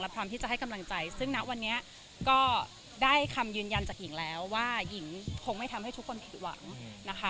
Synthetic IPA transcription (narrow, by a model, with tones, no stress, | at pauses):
lɛ˦˥pʰɾɔː˦˥mt̪ʰiː˥˩t͡ɕa˨˩hɦa˥˩jka˧mla˧ŋt͡ɕa˧jsɯ˥˩ŋna˦˥ʔwa˧nːi˦˥ɐʔ | kɔː˥˩ | daː˥˩jkʰa˧mjɯː˧nja˧nt͡ɕaː˨˩k̚ji˨˩˦ŋlɛː˦˥wːaː˥˩ji˩˦ŋkʰo˧ŋma˥˩jt̪ʰmha˥˩t̪ʰu˦˥kʰːo˧npʰi˨˩t̪̚wa̰˨˩˦ŋna˦˥kʰa˦˥